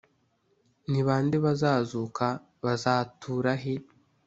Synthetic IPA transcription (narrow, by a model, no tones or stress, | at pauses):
niβaːndiβazaːzukʰa | βazaːtʰuːɾaɦe